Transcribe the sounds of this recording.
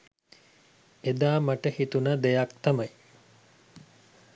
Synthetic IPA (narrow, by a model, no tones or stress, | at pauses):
ed̪aːmɐʈəhit̪unɐd̪ejak̚t̪ɐmɐj